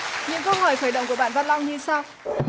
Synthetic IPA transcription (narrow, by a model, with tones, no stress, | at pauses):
ɲɨ̰˧˥ŋkə˧wɦɔ˨˧˩jxəː˧˩jɗə̰˧˨ŋ͡mkəɓaː˧˩˨nva˧nlɔ˧wŋ͡mɲɨ˧saː˧w